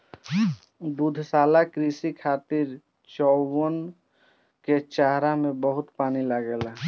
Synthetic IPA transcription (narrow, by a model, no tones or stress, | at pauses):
d̪ud̪ʱsaːlakɾisikʰaːt̪iɾ | t͡ʃɔən | ket͡ʃaɦɾamẽbəɦʊt̪paːnilaɡɛl